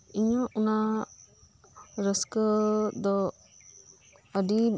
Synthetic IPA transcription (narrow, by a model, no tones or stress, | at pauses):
iɲaʔuna | ɾəskəd̪ɔ | di